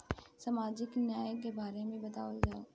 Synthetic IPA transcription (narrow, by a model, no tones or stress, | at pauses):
sɐmaːd͡ʒɪknjaːjəkebaːɾemẽbɐt̪aːʋəld͡ʒaːoː